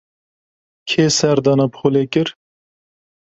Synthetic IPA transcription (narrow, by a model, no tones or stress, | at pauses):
kʰeːsɛɾd̪ɑːnɑpχolekɨɾ